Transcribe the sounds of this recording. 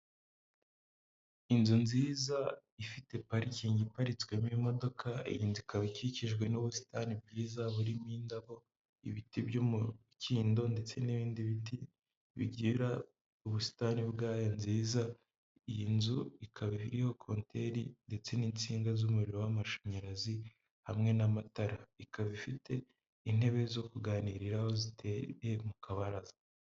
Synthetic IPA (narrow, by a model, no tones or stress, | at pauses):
inzunziːzaifite̞paɾiciːɲɟipaɾit͡swe̞mimo̞do̞kʰaḭjinzuikaβaciciʒɡwe̞nuβusi̥tanib̚ɡiːzaβuɾimiːndaβo̞ | ḭβitibjumu | ciːndo̞nde̞t͡se̞niβiːndiβiti | βḭɟiːɾa | uβusi̥tanibɡaːjanziːza | ijinzuikʰaβiβiɾiho̞kʰoːntʰe̞ɾinde̞t͡se̞niːnt͡siːŋɡazumuɾiɾowamaʃoɲaɾazi | hamŋe̞namataɾaikʰaβifite̞ | in̥he̞βe̞zo̞kuɡaːniːɾiɾaho̞zitʰe̞je̞mukʰaβaɾazḁ